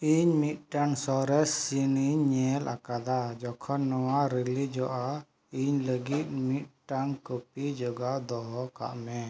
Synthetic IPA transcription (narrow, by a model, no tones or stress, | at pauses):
iɲmit̪̚ʈaŋsɔɾɛsiniɲːɛlʔa̰kad̪ad͡ʒɔkʰɔnːɔwaɾelid͡ʒɔʔa | iɲləɡit̪̚ˀmit̪̚ʈaŋkəpid͡ʒɔɡad̪ɔɦɔka̰ʔmɛ